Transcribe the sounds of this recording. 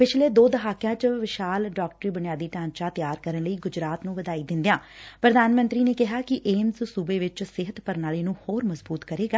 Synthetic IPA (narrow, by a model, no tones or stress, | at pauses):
pɪt͡ʃʰleːd̪oːd̪əɦaːkjãːt͡ʃʋɪʃaːlɖaːkʈɾiːbʊnɪjaːd̪iːʈãːnt͡ʃãːt̪jaːɾkəɾənləiːɡʊd͡ʒɾaːt̪nũːʋəd̪aːiːd̪ɪ̃nd̪ejãːpɾəd̪aːnmənt̪ɾiːneːkɪɦaːkɪʔeːmzsuːbeːʋɪt͡ʃsɪɦət̪pəɾnaːleːnũːhoːɾməzbuːt̪kəɾeːɡaː